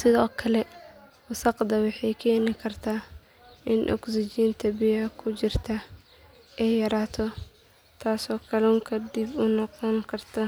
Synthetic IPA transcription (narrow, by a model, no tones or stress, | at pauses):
sɪðɔːkʰɐlɛwʊsɑqd̪ɐwɑħɑjkʰɛːnɪkʰɐrt̪ʰaː | ʔɪnʔɔ̰ksɪt͡ʃiːnt̪ʰɐbɪjkʰʊt͡ʃɪrt̪ʰɐ | ʔɛjjɐɾaːt̪ʰɔ | t̪ʰaːsɔːkʰɐlɛʊŋkʰɐd̪ibʊnɔqɔŋkʰɐrt̪ʰɐ